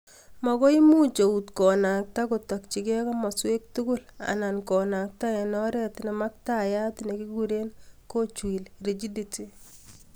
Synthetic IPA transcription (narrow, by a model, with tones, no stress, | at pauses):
mɔ˨kɔ˦i˦mu˦t͡ʃo˨u˨tkɔ˨na˨k̚ta˦ko˨tɔ˨k̚t͡ʃi˨ɡɛ˦kɔ˦mɔ˨swe˦k̚tu˦ɡʊ˦la̰˨na˨nkɔ˨na˨k̚ta˦ɛ˨nɔ˦ɾɛ˦tnɛ˨ma˦k̚ta˦ja˦tne˨ki˦ɡuɾe˦nko˦t͡ʃwi˨lɾe˨d͡ʒi˦di˨ti˦